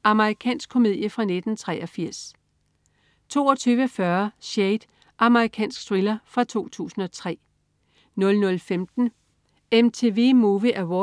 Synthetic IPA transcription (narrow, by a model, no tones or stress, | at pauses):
ɑ̈məʁikʰɛ̰ːnsɡ̥̚kʰo̝me̝ð̰ˠjəfʁɑ̈ned̥n̩t͡sʰʁɛʔɒfiɐ̰s | t͡sʰo̝̰ːɒt͡sʰyːʋəfɶɐɕeɪd̥ | ʔɑ̈məʁikʰɛ̰ːnsɡ̥sʁilɐfʁɑ̈t͡sʰo̝̰ːt͡sʰṵːsn̩ɒ̽t͡sʰʁɛ̰ː | nɔ̽lnɔ̽lfemd̥n̩ | emt͡sʰe̝ːʋe̝̰ːmuʋəʔæwɒ